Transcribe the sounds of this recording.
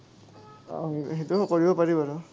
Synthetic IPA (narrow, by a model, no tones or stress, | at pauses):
ɦetukoɹibɔpaɹibaɹʊ